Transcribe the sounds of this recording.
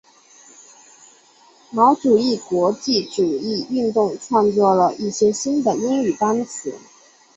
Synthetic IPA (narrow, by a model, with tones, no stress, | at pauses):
mɑ˧˥ʊʈ͡ʂu˨˩i˥˩kwɔ˧˥t͡ɕi˥˩ʈ͡ʂu˨˩i˥˧y˥˧nt̪ʊ˥˧ŋʈ͡ʂʰwɑ˥˧ŋt͡swɔ˥˩lə˩ʔi˥˩ɕjɛ˥ɕi˥nd̪ə˨i˥ŋy˨˩p̪a˥nt͡sʰɹ̩˨˩˦